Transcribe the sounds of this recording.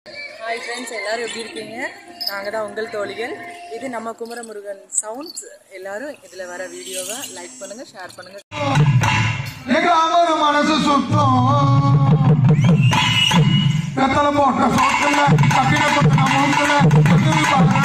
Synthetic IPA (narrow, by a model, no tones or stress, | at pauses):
haːjfɾɐnsɛlːaːɾɯ̃ʋɐʈːɪjɪɾɯkːiːŋɡɐnaːŋɡɐðãːʊŋɡɐɭt̪oːɭɪɣɐɭɪðɯnɐmːɐkʊmɐɾɐmʊɾɯɣɐnsɐʊɳɖs | ɛlːaːɾɯ̃ɪðɪlɐʋɐɾɐʋiːɽɪjoːʋɐlɐɪk̚pɐɳːɯŋɡɐʂeːɾpɐɳːɯŋɡɐ | eŋɡɐaːmɐːɾɐmɐnɐsɯsut̪ːo | pɾɐt̪ːɐlɐmoːʈːɐsoːʈːɯlɐtɐkːɪnɐkɐnɐmːɐɯmɐlɐt̪ɐk̪ːɯʋipaːk